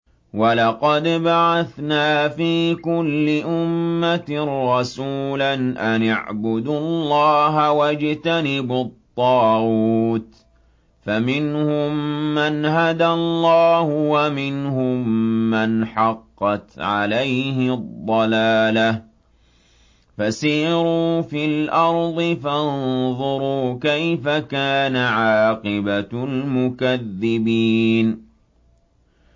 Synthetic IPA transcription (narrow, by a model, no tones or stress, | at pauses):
walɑqɑd̪baʕaθnaːfiːkʊlːɪʔʊmːat̪ːɑsuːlanʔanaʕbʊd̪ʊlˤːɑːɦawad͡ʒt̪anɪbʊt̪ˤːɑːɣuːt̪ | famɪnhʊmːanhad̪allˤːɑːhʊwamɪnhʊmːanħɑqːɑt̪ʕa̰lajhɪdd̪ˤːɑlaːla | fasiːɾuːfilʔɑɾˤd̪ˤɨfanðˤʊɾuːkajfakaːnaʕɑːqɪbalmʊkaðːɪbiːn